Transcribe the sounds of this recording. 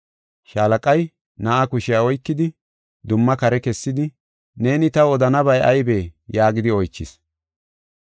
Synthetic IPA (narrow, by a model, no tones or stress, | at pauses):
ʃaːlɐkʼɐj | nɐʔɐkʊʃɪjaɔjkːɪd̪ɪ | d̪ʊmːɐkɐɾɛkɛsːɪd̪ɪ | ne̞ːnɪt̪ɐɔd̪ɐnɐbɐjʔɐjbe̞ːjaːɡɪd̪ɪɔjt͡ʃːɪs